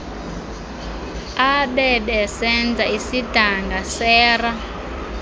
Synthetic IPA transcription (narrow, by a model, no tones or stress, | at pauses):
aɓɛɓɛsɛnd͡zʱaisid̥ʱaŋɡasɛːra